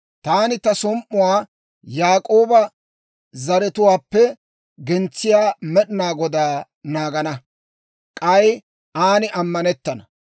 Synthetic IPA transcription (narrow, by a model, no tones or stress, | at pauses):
t̪aːnɪt̪ɐsɔmʔʊwaː | jaːkʼo̞ːbɐ | zɐɾɛt̪ʊwaːpːɛ | ɡɛnt͡sːɪjaːmɛɗɪnaːɡɔd̪aː | naːɡɐnɐ | kʼɐj | aːnɪʔɐmːɐnɛt̪ːɐnɐ